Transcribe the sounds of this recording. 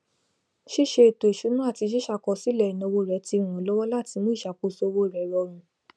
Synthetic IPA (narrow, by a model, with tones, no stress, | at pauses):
ʃi˦˨ʃe˧i˨to˨e˨ʃu˨˦nũ˦a˦˨ti˧ʃ̬i˦ʃa˧˨kɔ˧si˨˦lɛ˦˨i˨ñ˧wo˧˨ɾɛ˨˦ti˧˨ɾ̃ɔ̃˨lɔ˦wɔ˦la˦˨ti˧mũ˦i˦˨ʃa˨ko˧˨swo˦i˨ɾɛ˨˦ɾɔ˧ɾ̃ũ˧